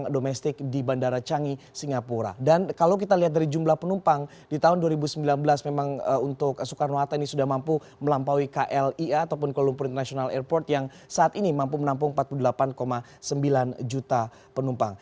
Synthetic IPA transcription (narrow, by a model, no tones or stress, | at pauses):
ŋdomɛst̪ɪk̚dibandaɾat͡ʃaŋisiŋapuɾa̰dankalawk̬it̪aliɦat̪̚daɾid͡ʒumlahpənumpaŋ | dit̪aɦʊnduaɾibusəmbilanbəlasmemaŋəunt̪ʊk̚sukarnoat̪ainisudahmampu | məlampawikaʔɛliat̪awp̬ʊnkolumpʊɾint̪rnasionalɛrpɔrt̪jaŋ | saːt̪inimampumənamp̬ʊŋmpat̪̚puludəlapankoma | səmbiland͡ʒut̪a | pənumpaŋ